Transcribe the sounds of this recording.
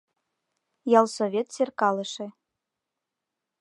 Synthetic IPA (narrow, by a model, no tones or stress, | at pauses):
jɑlˠsoβʲet̪sʲerkɑlˠɤ̆ʃĕ